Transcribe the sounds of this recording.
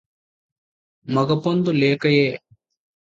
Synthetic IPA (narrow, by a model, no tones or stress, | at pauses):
mɐɡɐpond̪uleːkɐjeː